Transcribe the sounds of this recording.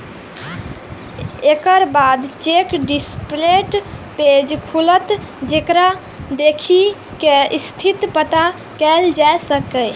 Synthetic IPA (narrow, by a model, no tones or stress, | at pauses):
ekəɾbad̪t͡ʃekɖispleʈped͡ʒkʰulət̪ | d͡ʒekɾa | d̪ekʰikeist̪ʰit̪pət̪a | kɛld͡ʒaesəkə